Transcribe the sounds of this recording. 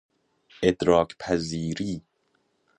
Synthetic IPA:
ed̪ɾɒːkpʰæziːɾiː

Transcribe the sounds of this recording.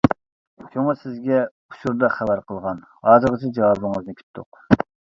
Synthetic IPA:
t͡ʃʰoŋəsɪzɡʲɛ | uʃʰuɾd̪ɑχæbæɾqʰəlˠʁɑn | hɑːzɨʁət͡ʃʰɛd͡ʒɑwɑbɨŋəznɨkʲʰy̥t̪ʰːʊ̰q

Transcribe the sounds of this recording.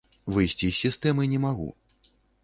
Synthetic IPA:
vɨjsʲt͡sʲisʲːist̪ɛmɨnʲɛmaɣṵ

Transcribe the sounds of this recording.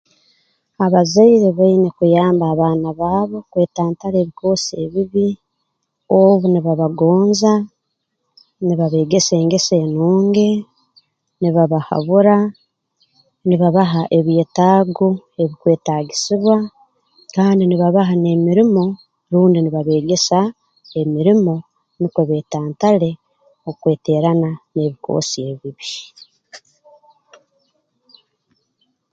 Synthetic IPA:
aβazaiɾeβainekujaːmbaːβaːnaβaːβo̞kwe̞ːtaːntaɾe̞ːβiko̞ːsie̞βiβi | o̞βuniβaβaɡo̞ːnza | niβaβe̞ːɡe̞se̞ːŋɡe̞se̞ːnuːŋɡe̞ | niβaβaha̰βuɾa | niβaβaɦaʔe̞βje̞ːtaːɡoe̞βikwe̞ːtaːɡisiβwa | kaːndiniβaβaɦane̞miɾimo̞ | ɾuːndiniβaβe̞ːɡe̞sa | e̞miɾimo̞ | nikweβe̞ːtaːntale̞ | okwe̞ːte̞ːɾanane̞ːβiko̞̰ːsie̞βiβi

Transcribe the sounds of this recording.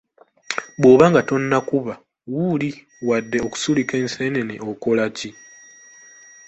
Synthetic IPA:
boːβaŋɡato̞nːakuβa | wuli | wadːe̞o̞ku̥sulikeːnseːneneʔoko̞laci

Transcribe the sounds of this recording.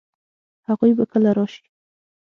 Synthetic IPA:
haɣujbakəlaɾɑʃi̥

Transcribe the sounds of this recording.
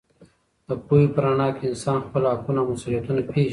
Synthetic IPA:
d̪̥əpojipəɾaɳɑːkeɪnsɑːnxpəlakunamasulijat̪unapʰeːʒi

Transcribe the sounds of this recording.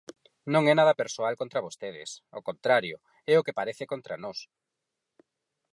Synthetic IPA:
nõŋɛnaðɐpeɾsoalkont̪ɾɐβost̪eðɪ̰sokont̪ɾaɾjʊ | ɛʊkepaɾeθɪkont̪ɾanos

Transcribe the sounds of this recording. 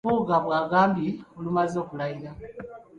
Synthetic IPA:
uːɡaβwaːɡaːmbiulumazo̞ːkulaiɾa

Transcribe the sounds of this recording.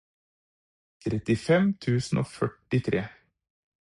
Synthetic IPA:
t̪ʰɾɛt̪ɪfɛmt̪ʰʉːsn̩ʔo̰ːfœʈɪt̪ʰɾeː

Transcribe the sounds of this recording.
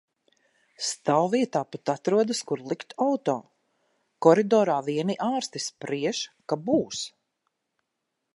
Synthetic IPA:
st̪awviɛt̪aːpat̪at̪ɾuɔd̪askuɾlˠikt̪awt̪ɔː | kɔɾid̪ɔːɾaːviɛniʔaːɾst̪ispɾiɛʃkabuːs

